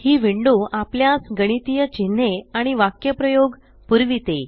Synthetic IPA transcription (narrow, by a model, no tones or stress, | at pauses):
hiːʋiɳɖũʔapljasɡəɽ̃it̪ijət͡ɕin̤ːeaɽ̃iʋakjəpɾəjoɡ | puɾʋit̪e